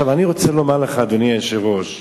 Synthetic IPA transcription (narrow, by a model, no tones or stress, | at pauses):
avaniʁo̞t͡selomaleχaːd̪oniaeʃeʁo̞ʃ